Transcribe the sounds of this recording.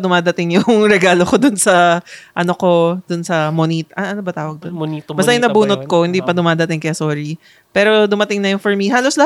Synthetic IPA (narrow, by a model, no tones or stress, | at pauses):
d̪ʊmaːd̪ɐt̪ɪŋjʊŋɾɛɡaːlokod̪ʊnsɐʔɐnoko̞d̪ʊnsɐmoniːt̪ʔɐʔɐnobɐt̪aːwɐɡ̚d̪ononibɐst̪ɐjʊŋnɐbuːnot̪̚ko̞hɪnd̪ipɐd̪ʊmaːd̪ɐt̪ɪŋkɐjasoːɾi | pɛːɾo̞d̪ʊmɐt̪ɪŋnɐjʊŋfɐɹmiɦaːloslɐ